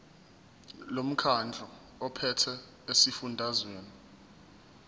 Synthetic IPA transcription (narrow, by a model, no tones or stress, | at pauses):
lom̩kʰand͡ɮʱɔ | ɔpʰɛtʰɛ | esifundʱazweːni